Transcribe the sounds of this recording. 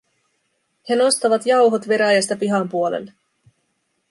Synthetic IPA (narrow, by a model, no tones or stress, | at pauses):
he̞no̞st̪ɑʋɑt̪jɑwɦo̞t̪ʋe̞ɾæjɑst̪ɑpiɦɑmpuolḛlːe